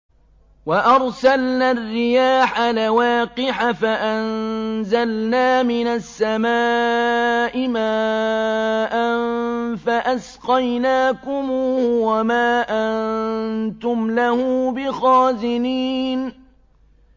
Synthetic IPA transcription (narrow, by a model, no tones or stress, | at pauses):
waʔɑɾˤsalnaːrːɪjaːħalawaːqɪħafaʔanzalnaːmɪnasːamaː | ʔɪmaː | ʔanfaʔas | qɑjnaːkʊmuːuːhʊwamaːʔannnt̪ʊmlahʊbɪxɑːzɪniːn